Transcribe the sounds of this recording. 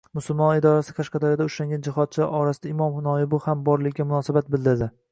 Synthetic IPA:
mʊsʊlˠmɒnɪd̪ɒɾasɪ̥qʰɑʃqɑd̪aɾjad̪aʊʃaŋɡʲand͡ʒɪhɒt̪̚t͡ʃʰɪʔɒɾasɪd̪aɪmɒmhʊnɒjɪbʊhambɒɾlɪkʲːamʊnɒsabat̪̚bɪlˠd̪ɪɾd̪ɪ

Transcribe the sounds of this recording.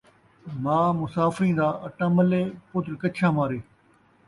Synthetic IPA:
mãːmʊsaːfɾĩːnd̪aːɐʈãːməleːpoːt̪ɾkɐt͡ʃʰãːmaːɾeː

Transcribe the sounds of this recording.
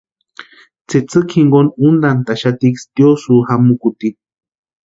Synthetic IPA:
t͡set͡sɨkʰhiŋɡonund̪ant̪aʃat̪ikst̪josuhamukut̪i

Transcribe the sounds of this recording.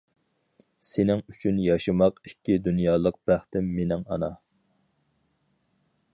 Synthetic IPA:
senɪŋyt͡ʃʰynjɑʃɨmɑqikʲːid̪unjɑːlˠəq̚b̥æχt̪ɪmːenɪŋɑnɑ

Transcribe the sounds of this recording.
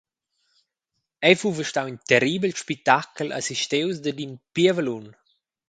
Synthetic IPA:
ɛjfuvəʃtawint̪ɛɾibəlʃpik̚t̪akəlʔa̰siʃt̪ewsd̪əd̪inpiəvəlun

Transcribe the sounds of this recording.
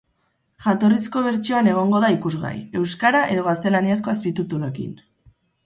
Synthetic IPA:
ʝat̪o̞risko̞β̞e̞ɾt͡ʃioane̞ɣ̞o̞ŋɡo̞ðaikuzɣa̰je̞wskaɾaʔe̞ðo̞ɣast̪e̞laniasko̞espit̪ut̪uloekḭn

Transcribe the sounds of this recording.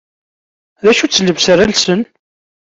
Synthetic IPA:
ðæʃut͡sːləvsəɾælsən

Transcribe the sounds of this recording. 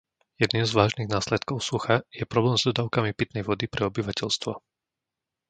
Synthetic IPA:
jɛd̪niːmzʋaːʒniɣnaːslɛt̪kɔʊsuxajɛpɾɔblɛːmzd̪ɔd̪aːʊkamipit̪nɛjʋɔd̪ipɾʔɛɔbiʋacɛʎst̪ʋɔ

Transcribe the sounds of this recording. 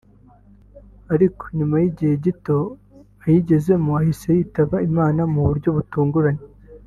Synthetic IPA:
aɾiko̥ɲumajiɟihe̞ɟito̞ | ajiɟe̞ze̞muahisejitaβaimaːnamuβuɾɟo̞βutuːŋɡuɾaɲe

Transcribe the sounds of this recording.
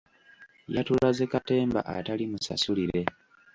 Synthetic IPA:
jatulazekate̞ːmba̰ʔa̰talimusa̰suliɾe̞

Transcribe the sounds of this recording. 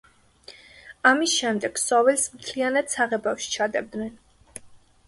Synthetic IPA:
amisʃɛmd̪ɛɡ̥sɔvɛlsmt̪ʰlianat̪saʁɛbafʃi̥t͡ʃʰad̪ɛb̚d̪nɛn

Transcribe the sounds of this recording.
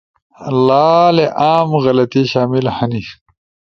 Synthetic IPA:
laːleʔaːmɣɐlɐt̪iɕaːmilhɐni

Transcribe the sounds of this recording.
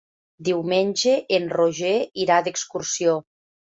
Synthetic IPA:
d̪iwmenʲʒeʔːnroʒeiɾad̪ekskuɾsio

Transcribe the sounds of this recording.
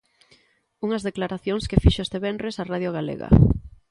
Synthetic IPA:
uŋɐzðeklaɾaθjoŋskefiʃoest̪eβɛnrɾesaraðjoɣalḛɣa̰

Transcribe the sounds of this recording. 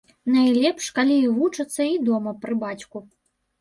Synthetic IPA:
najlʲɛpʂkalʲivut͡ʂɐt̪sːɐid̪ɔmɐpɾɨbat͡sʲku

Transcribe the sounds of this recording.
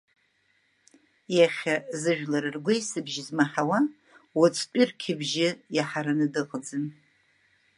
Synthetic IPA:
jaχʲazɨʒᶣlaɾɨrɡʷejsɨbʒizmaħawa | wat͡sʼʰt͡pʷʼɪrkʲʰɪbʒɪjaħaɾanɨdɨqʼd͡zɨn

